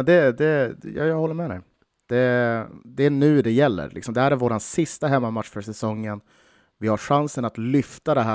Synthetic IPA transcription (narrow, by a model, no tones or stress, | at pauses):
d̪ɛd̪ɛjɑ̰jahɔlːəɾmɛd̪ɛ̰j | d̪̥ɛd̪ɛːnʉ̟ːd̪ɛjɛlːə̰ɾlʔɪksɔmd̪ɛhæːɾæɾvoːɾansɪst̪aɦɛmːamat̪ʂfœʂɛsɔŋːən | vɪhaɾʂansənat̪lʏft̪ad̪ɛɦæː